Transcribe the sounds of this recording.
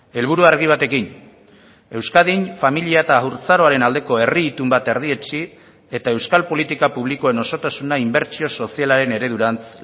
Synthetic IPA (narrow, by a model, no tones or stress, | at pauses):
e̞lβ̞uɾuaɾɣiβ̞at̪e̞kin | e̞wskaðinfamiliaet̪auɾt͡saɾo̞aɾe̞nald̪e̞ko̞e̞riːt̪umbat̪e̞ɾðie̞t͡ʃi | e̞t̪ae̞wskalpo̞lit̪ikapuβ̞likoe̞no̞so̞t̪asunaimbe̞ɾt͡ʃio̞so̞sialaɾe̞ne̞ɾe̞ðuɾant͡s